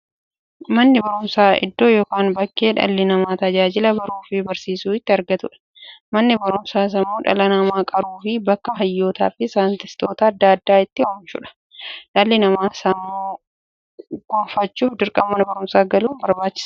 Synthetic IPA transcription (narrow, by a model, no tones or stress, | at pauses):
mɐnːɪbɐɾʊmsaːɪ̰d̪ːo̞ːjoːkaːnbɐkːe̞ːᶑɐ̰lːɪnɐmaːt̪ɐd͡ʒaːd͡ʒɪlɐbɐɾuːfɪbɐɾsiːsuːɪt̪ːɪɐɾɡɐt̪ʊᶑɛ̥ | mɐnːɪbɐɾʊmsaːs̬ɐmːoːᶑɐ̰lɐnɐmaːkʼɐɾuːfɪbɐkːɐɦɐjːo̞ːt̪a̰ːfɪsaːnt̪ɪst̪o̞ːt̪ɐːd̪ːɐɐd̪ːaːɪt̪ːɪhoːmt͡ʃʊ̰ᶑɐ̥ | ᶑɐlːɪnɐmaːsɐmːoː | ɡ̥oːfɐt͡ʃːuːfd̪ɪɾkʼɐmːɐnɐbɐɾʊmsaːɡɐluːnbɐɾbaːt͡ʃːɪ̥s